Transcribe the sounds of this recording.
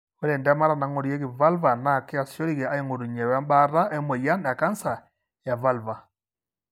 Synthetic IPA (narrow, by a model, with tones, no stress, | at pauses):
o˦ɾe˨ndɛ˦ma˦ɾa˨na˨ŋo˨ɾi˦e˦ɣi˨va˦lva˨na˨ke˦a˨sjo˦ɾi˦ɣɛ˨a˦e˦ŋo˨ɾu˨ɲɛ˨wa˦mba˦ɾa˦ʔe˦mo˨ja˦nja˨ka˦nsa˨ | ja˨va˦lva˨